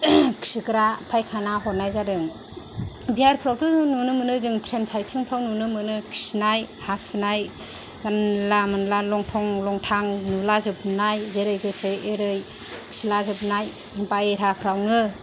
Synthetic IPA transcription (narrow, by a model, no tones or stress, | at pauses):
kʰi̥sikɯɾapʰajkʰanaɦɔɾnajzaɾɯŋ | biaɾpʰɾawtʰɯnunɯmɯnɯzɯŋtʰɾensʰajtʰɯŋpʰɾawnunɯmɯnɯkʰi̥sinaj | hasɯnaj | zanlamɯnlalɔŋtʰɔŋlɔŋtʰaŋnulazɯpnajzeɾɯjɡɯseeɾɯj | kʰi̥silazɯpnaj | impajeɾapʰɾawnɯ